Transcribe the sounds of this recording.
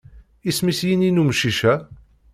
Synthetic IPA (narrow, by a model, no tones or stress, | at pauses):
ismisjininumʃiʃæ